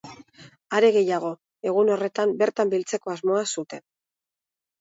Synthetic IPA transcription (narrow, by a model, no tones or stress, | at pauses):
aɾe̞ɣe̞jaɣ̞o̞ | e̞ɣ̞uno̞re̞t̪ambe̞ɾt̪ambilt͡se̞ko̞azmo̞asut̪e̞n